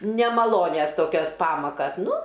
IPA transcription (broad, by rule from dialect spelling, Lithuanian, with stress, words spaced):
nʲɛmɐˈlˠoːnʲɛs ˈtoːkʲɛs ˈpɑːmɐkɐs ˈnʊ